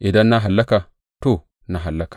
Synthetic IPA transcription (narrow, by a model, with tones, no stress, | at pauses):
ʔi˨da˦nːa˦ɦa˨lːa˦ka˨ | to˦˨ | na˨ɦa˨lːa˦kḁ˨